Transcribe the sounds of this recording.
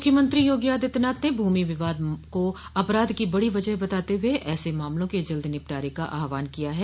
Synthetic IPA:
mʊkʰjəmə̃nt̪ɾijoːɡjaːd̪ɪt̪naːt̪nebʱuːmiʋɪʋaːd̪koɐpɾaːd̪kibɐɽiʋɐd͡ʒəɦbɐt̪aːt̪eɦʊeʔɛːsemaːmlõked͡ʒɐld̪inɪp̚ʈaːɾekaʔaːɦʋaːnkijaɦɛː

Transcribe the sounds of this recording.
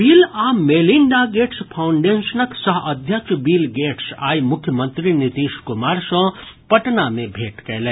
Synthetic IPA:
biːlameliɳɖaɡeʈspʰawɳɖensənəksəɦʔəd̪ʱjət͡ʃbiːlɡeʈsa̰jmʊkʰːjəmənt̪ɾinit̪iskumaːɾsə̃pəʈnamebʱeːʈkɛjlɛ

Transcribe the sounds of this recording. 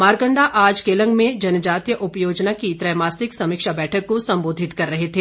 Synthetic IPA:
maːɾɡə̃ɳɖaʔaːd͡ʒkeːlə̃ŋɡmẽd͡ʒɐnd͡ʒaːt̪ijəʔʊpjoːd͡ʒnakit̪ɾɐjmaːsɪksɐmɪkʃabɛːʈʰəkːosɐ̃mboːd̪ʱɪt̪kɐɾːɐɦet̪ʰeː

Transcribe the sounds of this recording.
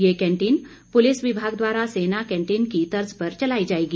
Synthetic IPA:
jekɛ̃ɳʈiːn | polisʋibʱaɡd̪ʋaɾasenakɛ̃ɳʈiːnkit̪əɾd͡zpəɾt͡ɕəlaid͡ʑajɡi

